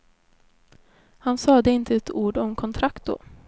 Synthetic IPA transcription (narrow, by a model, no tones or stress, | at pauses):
hansɑːd̪əɪnt̪ʰəɛt̪ʰuːɖɔmkʰɔnt̪ʰɾakt̪̚d̪o̰ː